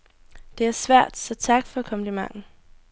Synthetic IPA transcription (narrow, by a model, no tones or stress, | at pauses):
d̥e̝æɐsʋæɐ̰d̥sɒ̽t͡sʰɑ̈ɡ̥fɒ̽ækʰɒ̽məlimɑ̈ŋn̩